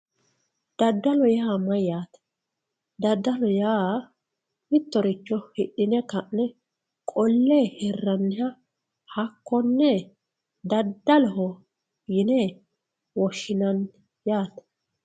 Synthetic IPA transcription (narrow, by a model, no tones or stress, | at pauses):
d̪̥ɐd̪ːɐlɔjaːmɐjjaːt̪ɛ̥ | d̪ɐd̪ːɐlɔjaː | mɪt̪ːɔɾɪt͡ʃːɔhɪɗɪnɛkɐʔnɛ | kʼɔlːeːhɛrːɐnːɪjɐ | hɐkːɔnːɛ | d̪ɐd̪ːɐlɔɦɔ | jɪnɛ | wɔʃːɪnɐn | jaːt̪ɛ̥